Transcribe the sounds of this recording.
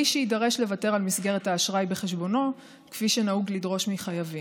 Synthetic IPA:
iʃeidaʁe̞ʃle̞vate̞ʁalmisɡeʁethaːʃʁajbe̞χeʃ̬bo̞no̞ | kfiʃenauɡlidʁo̞ʃmiχajavi

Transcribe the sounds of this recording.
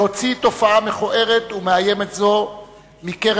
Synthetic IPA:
ho̞t͡sito̞faame̞χoʔe̞ʁe̞t̪umeaje̞me̞tzo̞ | mikeʁ

